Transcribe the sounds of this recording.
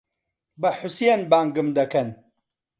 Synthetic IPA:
bɐħʊsijenbaːŋɡɨmd̪ɐkɐn

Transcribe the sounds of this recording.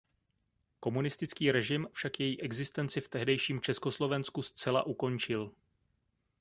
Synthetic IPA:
ko̞munɪst̪ɪt͡skiːɾɛʒɪmfʃakjɛjiːʔɛɡzɪst̪ɛnt͡sɪft̪ɛɦdɛjʃiːmt͡ʃɛsko̞slo̞vɛnskust͡sɛla̰ʔuko̞nt͡ʃɪl

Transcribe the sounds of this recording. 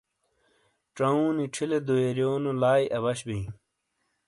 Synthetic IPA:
ʈ͡ʂɐũːniʈ͡ʂʰiled̪oeɾjoːnolaːjʔɐβɐɕbĩĩ

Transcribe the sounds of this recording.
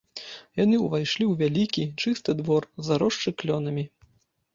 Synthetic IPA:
janɨuvajʂlʲiwvʲalʲikʲit͡ʂɨst̪ɨd̪vɔrzaɾɔʂt͡ʂɨklʲɔnɐmʲi

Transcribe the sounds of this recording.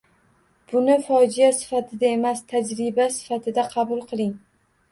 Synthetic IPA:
b̥ʊnɪfɒd͡ʒijasɪ̥fat̪ʰɪd̪ae̞mast̪ʰad͡ʒɾɪbasɪ̥fat̪ʰɪd̪aqʰɑbʊlˠqʰɨlˠɪŋ

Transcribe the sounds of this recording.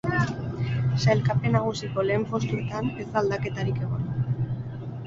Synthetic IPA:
sajlkapenaɣ̞usikoleːɱfo̞st̪uɾt̪anezald̪ake̞t̪aɾikeɣon

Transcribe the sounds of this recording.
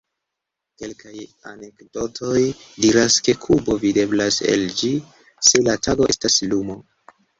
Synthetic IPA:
ke̞lkajane̞kdo̞tʰo̞jdiɾaske̞kʰubo̞vide̞blasḛld͡ʒi | se̞latʰaɡo̞ʔe̞staslumo̞

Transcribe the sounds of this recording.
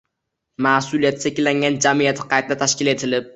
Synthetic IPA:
masʊlijat̪ʰsekʲɪlːaŋɡʲand͡ʒamijat̪ʰɪ̥qʰɑjt̪̚t̪at̪ʰaʃkʲɪle̞t̪ʰɪlɪp̚

